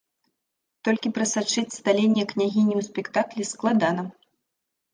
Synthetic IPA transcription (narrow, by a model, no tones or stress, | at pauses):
t̪ɔlʲkʲipɾɐsat͡ʂɨt͡sʲst̪alʲenʲːɛknʲaɣʲinʲiwsʲpʲɛkt̪aklʲɛsklˠad̪anɐ